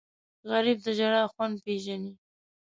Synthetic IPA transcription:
ɣaɾib̚d̪əʒaɽɑxwand̪̚peʒani

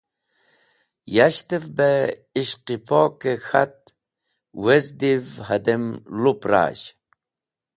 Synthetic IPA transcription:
jaɕt̪efbeiɕqipokexat̪̚ | wezd̪ivhɐd̪emlupɾa̰ːɕ

